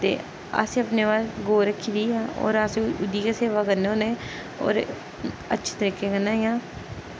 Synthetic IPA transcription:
t̪ḛː | a̰sĩːəpneːʋaːsɡoːɾəkʰːiːd̪iːao̰ːɾasiʊd̪iːkaseːʋaːkəɾneoːnẽː | o̰ːɾ | ətːʃʰe̥ːt̪əɾiːkeːkənːaːjãː

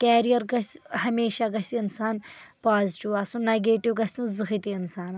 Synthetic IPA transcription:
kɛːɾijɐɾɡɐsʲhɐmeːʃaɡɐsʲiinsaːn | paːzʈiwasũneɡeːʈiwɡɐsʲũzɨxit̪iɪnsaːn

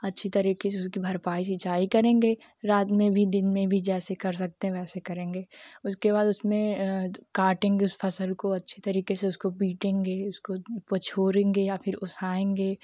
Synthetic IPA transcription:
ɐtːʃʰit̪ɐɾiːkes̬eʊskibʱɐɾpaːis̬it͡ʃaːikɐɾẽːŋɡeːɾaːt̪mẽbʱid̪ɪnmẽbʱid͡ʒɛːsekɐɾs̬ɐk̚t̪ẽɦɛ̃ʋɛːsekɐɾẽːŋɡeːʊskeβaːd̪ʊsmẽkaːɾʈẽːŋɡeʊspʰɐsəlkoɐtːʃʰet̪ɐɾiːkeseʊskopiːʈẽːŋɡeːʊskopɐt͡ʃʰoːɾẽːŋɡejapʰɪɾʊsaːẽːŋɡeː

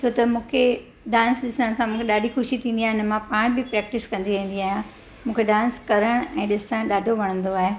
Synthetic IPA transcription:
t͡ɕʰoːt̪ɐmũːkʰe | ɖãːnsɗɪsənəɽ̃sãmũːkʰeɗaːɖʱixʊʃit̪ʰĩːn̆d̪iaːɦɪnmãpaːɽ̃bɪpɾɛːk̚ʈɪskɐ̃nd̪iʋẽːn̆d̪iaːɦijã | mũːkʰeɗãːnskɐɾəɽ̃ɛ̃ːɗɪsəɽ̃ɗaːɖʱoʋɐɽ̃ə̃nd̪oaːɦe

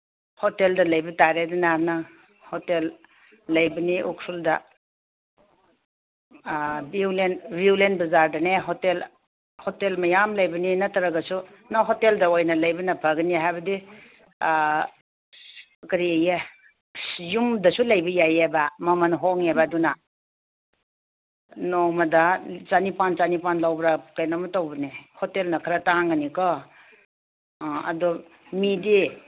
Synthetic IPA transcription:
hoteldɐlɐjbɐtaɾedunanaŋ | hotelː | ɐjbɐniʔuksuldɐ | biwlenbiwlenbɐzaɾdɐneɦotel | hotelmɐjamlɐjbɐninɐtɐɾɐɡɐsu | naɦoteldɐojnɐlɐjbɐnɐpʰɐɡɐniɦajbɐdi | kɐɾieja | jumdɐsulajbɐjajebamɐmanɦoŋebaduna | noŋmɐdat͡ʃanipant͡ʃanipanlawbɾakajnamatawbɐnihotelnɐkʰaɾataŋɡɐnikɔ | ɐ̰dɔmidi

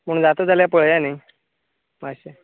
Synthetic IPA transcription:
məɳ̃d͡zat̪od͡zaljapəɭjanaj | maɕe

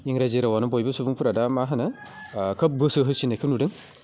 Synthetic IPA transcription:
iŋɾazeɾawanɔbɔjbɯsubuŋpʰuɾadamaɦɯnɯ | kʰɐp̚ɡɯsɯɦɯsinekʰɯp̚nudɯŋ

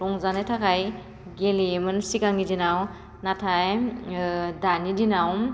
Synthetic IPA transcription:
ɾɔŋzanejtʰakʰaj | ɡelimɯnsikaŋidinaw | natʰaj | danidinawm

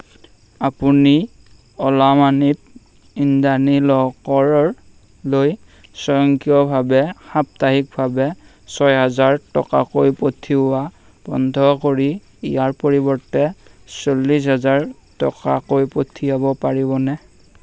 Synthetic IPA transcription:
apuni | ɔlamanip̚ | indanilɔkɔɹɔɹ | loj | sɔjɔŋkijɔbʱabɛxap̚taɦik̚bʱabɛ | sɔjɦazaɹtɔ̰ka̰kojpotʰiwa | b̥ɔ̰ndʱɔkoɹi | ḭjaɹpoɹibɔɹtɛsolːis̬ɦazaɹ | tɔka̰kojpotʰiabɔpaɹibɔnɛ

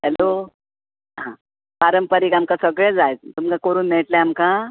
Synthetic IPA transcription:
ɦɛlo | ɦã | paɾəmpəɾiːkamkasəɡɭẽd͡zajt̪̚t̪umkakəɾuːnːeʈleamka

